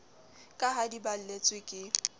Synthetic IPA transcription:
kʼaɦadibal̩let͡sʼwɪkʼɪ

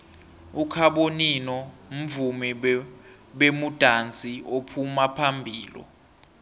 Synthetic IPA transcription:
ukʰaɓoninɔm̩vumi | ɓemud̥ʱant͡sʼiopʰumapʰambʱiːlɔ̰

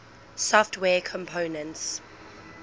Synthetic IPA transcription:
sɔftʰwɛːkʰɔ̃mpʰoːnə̃nts

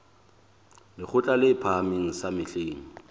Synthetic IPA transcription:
lɪk͡xʰʊt͡ɬʼalɪpʰamiŋ̩samɪɬeːŋ̩

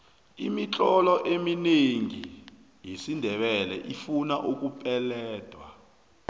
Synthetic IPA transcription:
imit͡ɬʼɔlɔʔemineŋi | jesindʱɛɓɛlɛ̰ʔifunaʔuk̬upʼɛlɛːd̥ʱwa

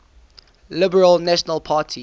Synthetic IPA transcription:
lɪbəɹəlnæʃənəlˠpʰaːˑtʰi

